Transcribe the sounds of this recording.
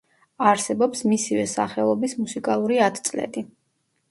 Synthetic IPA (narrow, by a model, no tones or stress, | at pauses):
aɾsɛbɔpsmisivɛsa̰χɛlˠɔbismusikʼalˠuɾiat̪ʰt̪sʼlɛ̰d̪i